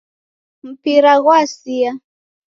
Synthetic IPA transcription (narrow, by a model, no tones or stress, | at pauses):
m̩piɾaɣwasia